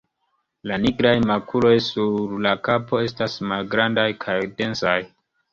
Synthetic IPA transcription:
laniɡɾajmakʰulo̞jsuɾlakapo̞e̞stasmalɡɾandajkʰajde̞nsaj

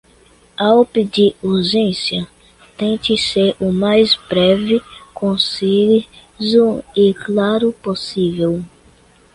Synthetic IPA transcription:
awpɪd͡ʒiuɾʒẽsjɐ | t̪ẽkɪseɾʊmajsbɾɛvɪkõsi | zuɪklaɾʊposivew

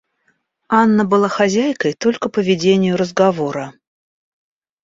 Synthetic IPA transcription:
anːəbɨlˠaxɐzʲæjkəjt̪o̞lʲkəpəvʲɪdʲenʲɪjʊɾəzɡɐvo̞ɾə

